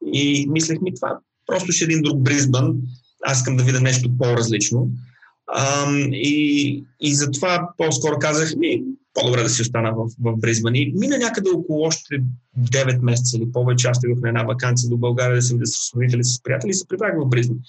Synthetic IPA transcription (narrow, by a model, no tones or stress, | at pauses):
imislɛxmit̪ova̰ | pɾɔst̪ʊʃɛːd̪ind̪ɾuɡ̚bɾizbən | a̰siskəmd̪ɐvid̪əmnɛʃt̪opoɾɐzlit͡ʃno | iː | zɐt̪ovaposkɔɾʊkazəxmipod̪obɾɛd̪ɐsiʊst̪anəvɐfvɐvbɾizbəniminənʲakəd̪ɛokolˠʊɔʃt̪ɛd̪ɛvɛt̪mɛs̬ɛt̪səilipɔvɛt͡ʃɛast̪id̪oxnɛd̪navɐkant̪sijəd̪obɐlˠɡaɾiəd̪ɐsɛvid̪əsə̥slʊit̪ɛlisə̥spɾijat̪ɛlʲisɛ̥pɾivɾaɡvɐvbɾizbən